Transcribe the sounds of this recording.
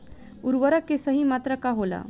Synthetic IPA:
uɾʋəɾakesəɦiːmat̪ɾəkaɦola̰

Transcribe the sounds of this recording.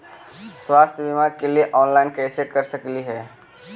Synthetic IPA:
swaːst̪ʰjəʋɪmaɾkelieʔɔːnlaːɪnkɛːsekɐɾsəkliɦɛː

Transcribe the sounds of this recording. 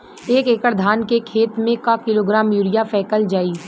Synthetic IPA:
eːkekəɾd̪ʱaːnkekʰeːt̪mẽkakɪloːɡɾaːmjuːɾijafʰɛːkəld͡ʒaːiː

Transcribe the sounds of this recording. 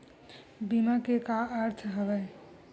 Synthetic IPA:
bimakekaʔəɾt̪ʰɦəʋɛ

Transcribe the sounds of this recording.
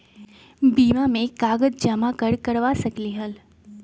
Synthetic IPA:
biːmamẽkaːɡəd̪̚d͡ʒəmakəɾkɐɾʋasɐkliɦəl

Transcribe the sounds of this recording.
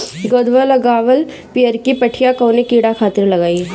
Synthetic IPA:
ɡod̪ʋələɡaːʋəl | piəɾkipəʈʰijakɐwnekiːɽakʰaːt̪ɪɾlɐɡaːi

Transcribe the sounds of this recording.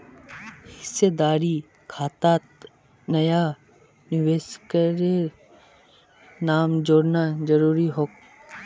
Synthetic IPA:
hɪsed̪aːɾi | kʰaːt̪aːt̪ | nɐja | nɪʋeːskəɾe | naːmd͡ʒoːɽnad͡ʒɐɾuːɾiɦoːk

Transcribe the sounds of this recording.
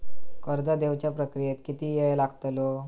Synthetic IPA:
kəɾd̪ad̪eʋt͡ɕjapɾəkɾijet̪kit̪iːjejlaɡt̪lo

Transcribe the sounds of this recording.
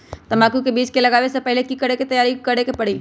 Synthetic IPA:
t̪ɐmaːkukebiːt͡ʃkelɐɡaːʋesepɛɦlekikɐɽeket̪ɐjaːɾikɐɽekepɐɽiː

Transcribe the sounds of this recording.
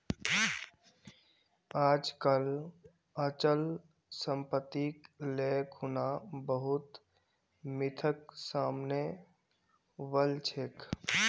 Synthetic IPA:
aːd͡ʒkəl | ət͡ʃəl | səmpət̪ikleːkɦunabəɦʊt̪ | mɪt̪ʰəksaːmne | ʋəlt͡ʃʰek

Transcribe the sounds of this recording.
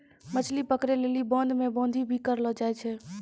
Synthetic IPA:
mət͡ʃʰlipəkɾelelibɔ̃nd̪ʱmẽbɔ̃ːnd̪ʱibʱikəɾlɔd͡ʒaɛt͡ʃʰɛ

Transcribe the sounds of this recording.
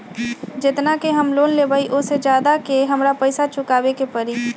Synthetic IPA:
d͡ʒɪt̪nakeɦɐmloːnlebaiʔʊsed͡ʒjaːd̪akeɦɐmɾapɛɪsat͡ʃʊkaːwekepɐɾi

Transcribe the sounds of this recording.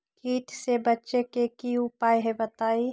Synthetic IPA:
kiːt̪sebətːʃekekiʊpaːjɦebət̪aːi

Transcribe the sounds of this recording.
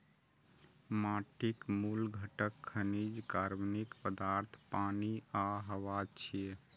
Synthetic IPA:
maʈikmulɡʱəʈəkʰːənid͡ʒkaɾmnikpəd̪aɾt̪ʰpaniaɦəʋat͡ʃʰie

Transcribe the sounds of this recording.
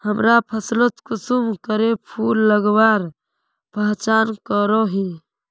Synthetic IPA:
həmɾapʰəslət̪kʊsumkəɾepʰuːlːəɡbaːɾ | pəɦt͡ʃaːnkəɾoɦĩ

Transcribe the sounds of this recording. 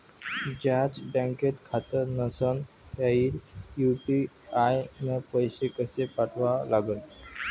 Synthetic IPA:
d͡ʑat͡sbãŋket̪kʰat̪əɾnəsən | taiɾjuʈiajnəpəjsekəsepaʈʰʋalaɡən

